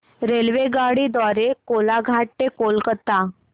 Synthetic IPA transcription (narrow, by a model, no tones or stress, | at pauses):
ɾelʋeɡaɽid̪ʋaɾekolaɡʱaʈːekolkət̪a